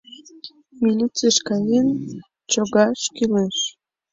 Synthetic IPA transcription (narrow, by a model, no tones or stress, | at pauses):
milʲit͡seʃkɑjen | t͡ɕoɣɑʃkileʃ